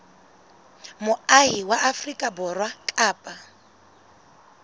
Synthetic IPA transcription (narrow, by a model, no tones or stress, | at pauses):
mʊaɦiwaʔafrikʼabɔrwakʼaːpʼa